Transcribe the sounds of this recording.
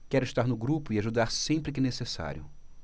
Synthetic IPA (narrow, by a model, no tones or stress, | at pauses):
kɛɾʊiʃt̪aɾnʊɡɾupʊɪaʒud̪aɾsẽmpɾɪkɪnesesa̰ɾjʊ